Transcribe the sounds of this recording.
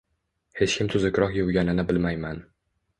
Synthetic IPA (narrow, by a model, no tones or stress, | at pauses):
he̞t͡ʃkʲʰɪmt̪ʰʊzɪkʲɾɒhjowɡʲanɪnɪbɪlmajman